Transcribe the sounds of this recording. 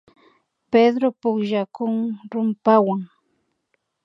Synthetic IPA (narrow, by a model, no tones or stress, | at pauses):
ped̪ɾopʊkʒakʊŋɾʊmpawaŋ